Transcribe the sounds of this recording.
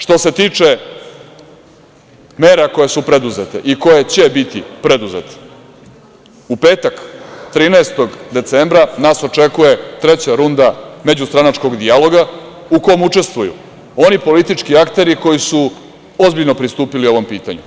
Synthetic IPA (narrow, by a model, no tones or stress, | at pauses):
ʂt̪o̞se̞t̪iːt͡ʂe̞ | meːɾako̞je̞supɾed̪uzet̪ḛʔiko̞jet͡ɕe̞bit̪ipɾe̞d̪uzḛt̪e̥ | upe̞ːt̪akt̪ɾiːnaest̪o̞ɡd̪e̞t̪sembɾanaːso̞t͡ʂe̞kuje̞t̪ɾe̞t͡ɕaɾund̪ame̞d͡ʑust̪ɾanat͡ʃko̞ɡd̪ialo̞ɡa | uko̞mut͡ʂe̞st̪ʋujṵ | o̞nipo̞lit̪it͡ʂkiakt̪e̞ɾiko̞jisu | o̞zbiʎno̞pɾist̪uːpilio̞ʋo̞mpiːt̪a̰ɲṵ